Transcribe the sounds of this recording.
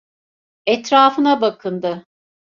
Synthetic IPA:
ɛt̪ɾaːfɯnabakʰɯnd̪ɯ

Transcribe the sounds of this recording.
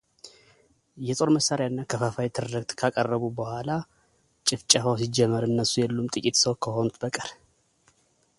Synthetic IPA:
jɛt̪ʼo̞ɾməsːaɾjaɨnːakʰəfafajt̪ʰɨɾːɨɡt̪ʼkʰakʼərːəβubəhʷala | t͡ʃʼɪft͡ʃʼafəwsid͡ʒɛmːəɾɨnːəsːujɛlːumt̪ʼɨkʼit̪səwkʰəho̞nut̪bəkʼəɾ

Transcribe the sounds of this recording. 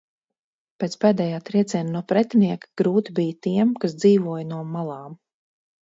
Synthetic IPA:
peːt̪spɛːd̪ɛːjaːt̪ɾiɛt̪sɛːnnuɔpɾɛt̪ʲniɛkɡ̥ɾuːt̪ibijət̪iɛmkas̬d̪ziːvuɔjnuɔmalˠɑːm

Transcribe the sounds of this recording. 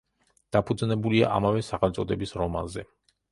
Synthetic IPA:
d̪̥apʰud̪znɛbulia̰ʔa̰mavɛsaχɛlt̪sʼɔd̪ɛbisɾɔma̰nzɛ

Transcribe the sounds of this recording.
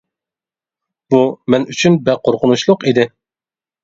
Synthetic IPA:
b̥umɛnyt͡ʃʰynbɛqʰoɾqʰʊnuʃlˠʊqid̪ɪ

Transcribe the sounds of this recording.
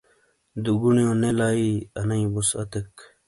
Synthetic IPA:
d̪uɡunijõnelaːiɐnɐĩbusɐ̰t̪ek

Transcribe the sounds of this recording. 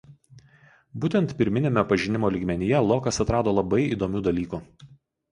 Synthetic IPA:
buːt̪ʲɛnt̪pʲɪɾʲmʲɪnʲeːmʲɛpɐʒʲɪnʲɪmoːlʲiːɡmʲɛnʲɪjɛlˠoːkɐsɐt̪ɾɑːd̪oːlˠɐbɐɪḭːd̪oːmʲuːd̪ɐlʲiːkuː

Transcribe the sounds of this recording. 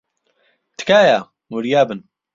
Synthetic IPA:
t̪ʰɨ̥kaːjaː | muɾijaːbɨn

